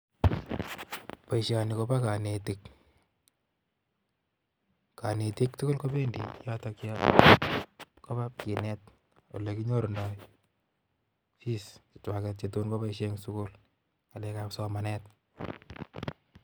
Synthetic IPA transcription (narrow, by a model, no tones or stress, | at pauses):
paiʃjanɪkobakanetik | kanetik̚tʊkʊlkobendḭjatakja | kobap̚kinɛt̚ | o̰lekiɲoɾondɔj | fist͡ʃɪ̥twakɛt̚t͡ʃetonkopaiʃeŋsukul | kalɛkapsɔmanɛt̚